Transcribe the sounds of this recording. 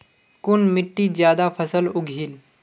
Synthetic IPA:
kunmiʈːid͡ʑjad̪afʰəsəluɡʱiːl

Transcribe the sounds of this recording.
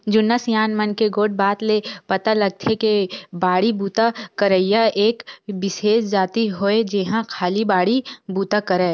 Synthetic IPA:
d͡ʒʊnːəsjaːnmənkeɡoːʈ̚baːt̪lepɐt̪alɐɡ̚t̪ʰekebaːɽibuːt̪akəɾəɪjaʔeːkbɪʃeːʃd͡ʒaːt̪iɦoed͡ʒeɦãkʰaːlibaːɽibuːt̪akɐɾɛː

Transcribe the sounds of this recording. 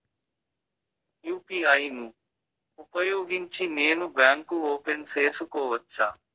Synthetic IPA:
juːpiːaːiːnũː | ʊpəjoːɡint͡ʃʰiːneːnubɛːŋkuːoːpenseːsʊkoːʋət̚t͡ʃʰaː

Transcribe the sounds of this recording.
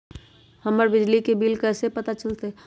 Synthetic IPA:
həməɾbɪd͡ʒlikebiːlkɛːsepət̪at͡ʃəlt̪e

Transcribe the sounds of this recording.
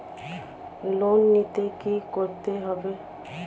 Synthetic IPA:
lonːit̪ekikoɾt̪eɦɔbe

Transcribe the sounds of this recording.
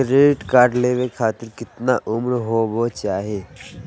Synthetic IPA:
ɾeːʈkaːɾɖleːʋekʰaːt̪ɪɾkɪt̪naʔʊmɾɦobot͡ʃaːɦieː

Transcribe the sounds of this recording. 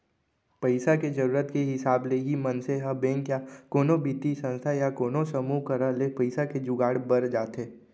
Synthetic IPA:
pəɪsaked͡ʒəɾuːɾət̪keɦɪsaːbleɦimənseɦabɛ̃ːŋkjakoːnobit̪isə̃nst̪ʰajakoːnosɐmuɦkəɾalepɐɪsaked͡ʒʊɡaːɽbəɾd͡ʒaːt̪eː

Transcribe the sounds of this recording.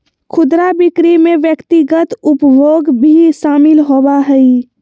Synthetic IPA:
kʰʊd̪ɾabɪkɾimẽʋjəkt̪iɡət̪ʊpboːɡbʱiʃaːmɪlɦobaɦɛi

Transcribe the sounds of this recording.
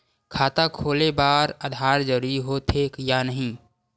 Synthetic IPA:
kʰaːt̪akʰoːlebaːɾad̪ʱaːɾd͡ʒəɾɾiɦot̪ʰekjanəɦĩ

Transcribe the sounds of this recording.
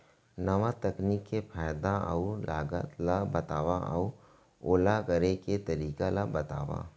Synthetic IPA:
nɐʋat̪ɐkniːkːepʰaːjd̪aɐ̰ulaːɡə̰t̪labɐt̪aːʋaʔɐu | oːlakɐɾeket̪ɐɾiːkalabɐt̪a̰ːʋa̰ː

